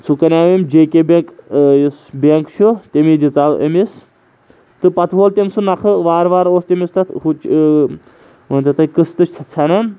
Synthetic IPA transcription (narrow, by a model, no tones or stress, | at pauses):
t͡sʰukɐnʲaːʋemd͡ʒeːkʲebeŋkjisbeŋkt͡ʃʰut̪emid̪ʲit͡saːwʔɐ̰mis | t̪ɨpɐt̪ʰɦoːlt̪ʲemsunɐkʰɨʋaːɾʋaːɾoːst̪emist̪ɐt̪ʰhut͡ʃ | ɐnt̪ɐt̪ɐkɨst̪ɨt͡ʃʰʲt͡sʰɐt͡sʰɐnɐn